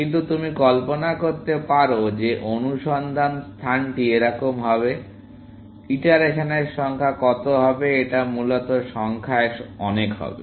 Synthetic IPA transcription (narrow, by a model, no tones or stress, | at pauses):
kint̪̬ut̪umikɔlponakoɾt̪epaɾod͡ʑeʔonuʃɔnd̪ʱanst̪ʰanʈieɾakomɦɔbe | iʈaɾeʃoneɾʃɔŋkʰakɔt̪oɦɔbeeʈamulot̪oʃɔŋkʰaeɔnekɦɔ̰bḛ